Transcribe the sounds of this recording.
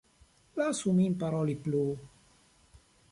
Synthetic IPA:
lasumimpaɾɔliplu

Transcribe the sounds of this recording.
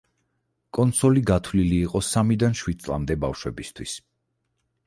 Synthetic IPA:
kʼɔnt̪sɔliɡat̪ʰwliliːqʼɔsamid̪anʃwid̪̚sʼlˠa̰md̪ɛbafʃwɛbist̪ʰwis

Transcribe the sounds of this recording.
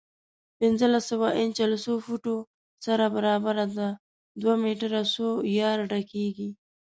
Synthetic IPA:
pɪnzəlasːawaʔɪnt͡ʃalsofuʈo | saɾabaɾɑbaɾad̪a | d̪wamiʈaɾasojɑɾɖakeɡi

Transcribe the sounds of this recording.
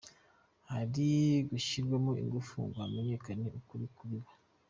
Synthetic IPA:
haɾiɡuʃiɾɡwemoḭŋɡufṵŋɡoame̞ɲe̞kane̞ʔukuɾikuɾiβa

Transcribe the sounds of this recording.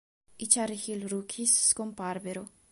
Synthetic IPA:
it͡ʃaɾixilɾukʰisːkompaɾveɾo

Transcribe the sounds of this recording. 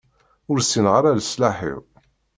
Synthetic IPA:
ʊɾsːinʁaɾaləslaħḭʁ

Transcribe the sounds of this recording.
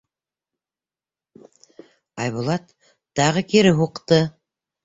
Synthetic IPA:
ɑjβulˠɑt̪ | d̪̥ɑʁəkʲʰeɾɪɦoqt̪ə

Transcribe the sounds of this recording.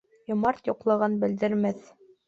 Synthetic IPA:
jŏmɑɾt̪jŏqlˠɤ̆ʁɤnbɘ̆ld̪ɘ̆ɾmæθ

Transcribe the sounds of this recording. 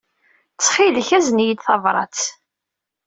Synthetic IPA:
t͡sːχilçæznjəd̪θɑvɾˤɑ̰t͡s

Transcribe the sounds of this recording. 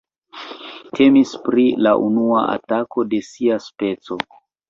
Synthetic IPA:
tʰe̞mispɾilaʔunuaa̰tako̞de̞siaspe̞t͡so̞

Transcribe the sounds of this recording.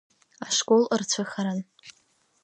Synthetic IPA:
aʂkʼolɨrt͡ɕʷʰɨχaɾan

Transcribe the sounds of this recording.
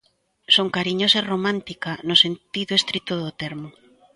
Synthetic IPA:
soŋkaɾiɲosaeromãnt̪ikanosent̪iðʊest̪ɾit̪oðot̪eɾmo

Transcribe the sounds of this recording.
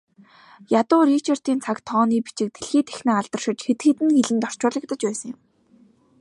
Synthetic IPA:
jat̪ʊːrit͡ɕʰar̥t̪iːnt͡sʰakt̪ʰɔːniːpit͡ɕɪ̆k̚t̪ʰeɮxiːt̪ʰe̥xnaːaɮt̪ə̆rʃɪ̆t͡ɕxet̪ɡɘ̆t̪ɘ̆nxeɮɘ̆nt̪ɔr̥t͡ɕʊːɮə̆k̚t̪ə̆t͡ɕpæːsə̆ŋjʊ̆m

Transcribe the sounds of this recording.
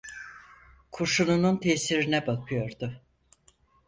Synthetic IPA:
kʰuʃunununt̪ʰesiɾinɛbakʰɯjo̞ɾd̪ʊ

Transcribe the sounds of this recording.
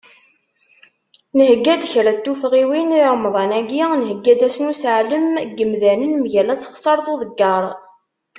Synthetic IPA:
nəhəɡːæd̪çɾæt̪ːufʁiwiniʕəmðˤɑnæɡinəhəɡːæd̪æsnusəʕləmɡəmðænənmʝælæsə̥χsˤɑɾˤθˤuðˤəɡːɑɾˤ

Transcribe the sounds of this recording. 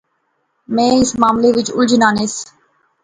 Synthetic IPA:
mẽːɪsmaːmleʋɪt͡ʃʊld͡ʒɪnaːneːs

